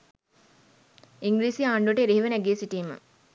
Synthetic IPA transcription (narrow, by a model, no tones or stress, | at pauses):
iŋɡɾiːsiaːɳɖuʈeɾeɦiʋənæɡeːsiʈiːmə̰